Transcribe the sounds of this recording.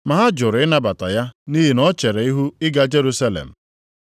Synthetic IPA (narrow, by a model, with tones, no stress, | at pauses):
ma˨ɦa˦d͡ʒʊ˨ɾɪ˦na˦ba˨ta̰˨ja˦ni˦ɦi˨nɔ˦t͡ʃe˨ɾe˨i˦ɦu˦ɪ˦ɡa˦d͡ʒe˦ɾu˦sa˦lḛ˨m̩˨